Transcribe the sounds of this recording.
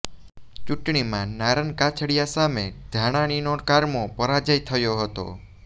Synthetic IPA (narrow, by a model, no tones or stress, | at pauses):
t͡ʃuʈɳimãnaɾənkat͡ʃʰəɽijasamed̪̥ʱaɽ̃aɽ̃inokaɾmopəɾad͡ʒəjt̪ʰəjoɦət̪o̰